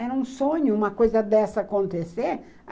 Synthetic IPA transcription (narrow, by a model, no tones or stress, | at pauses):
ɛɾũsõɲʊũmɐkojzɐd̪ɛsɐːkõnt̪eseɾ